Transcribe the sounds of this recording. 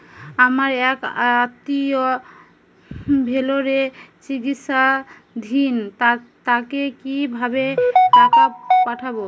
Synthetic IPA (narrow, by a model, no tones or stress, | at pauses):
amaɾɛkt̪ːio | bʱeloɾet͡ɕiɡit̪ʃa | d̪ʱint̪a | t̪akekibʱabeʈakapaʈʰabo